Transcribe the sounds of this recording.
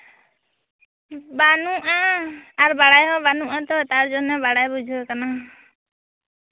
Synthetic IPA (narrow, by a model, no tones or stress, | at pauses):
banuʔaːɾbaɽajɦɔbanuʔat̪ɔt̪aɾd͡ʒɔnɛbaɽajbud͡ʒʱɔkana